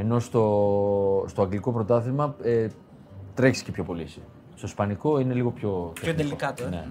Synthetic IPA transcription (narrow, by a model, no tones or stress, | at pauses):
e̞no̞st̪o̞ | st̪oɐɡliko̞pɾo̞t̪ɐθimɐe | t̪ɾeçsi̥cepçopo̞lisi | st̪o̞spɐniko̞ine̞liɣo̞pço̞t̪eonelikɐt̪nḛ